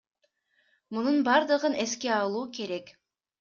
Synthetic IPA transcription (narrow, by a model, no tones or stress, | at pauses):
mununbɑɾd̪ɯʁɯne̞ske̞ɑlˠuːke̞ɾe̞k